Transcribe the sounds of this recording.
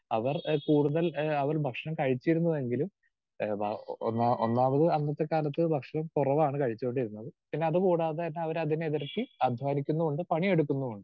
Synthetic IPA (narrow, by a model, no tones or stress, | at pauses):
ɐʋɐrkuːɽuðɐlɐʋɐrbʱɐkʂɐɳɐmkɐɻit͡ɕːiɾunːue̞ŋɡilum | bʱa̰onːaːʔonːaːmɐðɨɐnːɐt̪ːe̞kaːlɐt̪ːɨbʱɐkʂɐɳɐmkurɐʋaːɳɨkɐɻit͡ɕːuko̞ɳɖiɾunːɐðɨpinːe̞ɐðɨkuːɽaːðeɐnːeɐʋɐɾɐðineeðiɾɐt̪ːiɐd̪ʱʋaːnikʲːunːuuɳɖɨpɐɳie̞ɽukːunːuuɳɖɨ